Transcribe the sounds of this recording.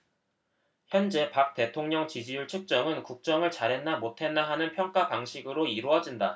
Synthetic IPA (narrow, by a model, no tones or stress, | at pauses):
çjʌnd͡ʑe̞pak̚t͈e̞tʰoŋɲʌŋt͡ɕid͡ʑijuɭt͡ɕʰɯk̚t͡ɕ͈ʌŋɯnkuk̚t͡ɕ͈ʌŋɯɭt͡ɕaɾe̞nːamotʰe̞nːaɦanɯnpʰjʌŋk͈apaŋɕʰiɡɯɾoiɾoʌd͡ʑinda